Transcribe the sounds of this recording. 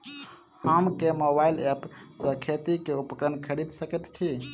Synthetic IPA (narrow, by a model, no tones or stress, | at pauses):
hamkemobailepsə̃kʰet̪ikeupəkɾənkʰəɾid̪səkɛt̪t͡ʃʰi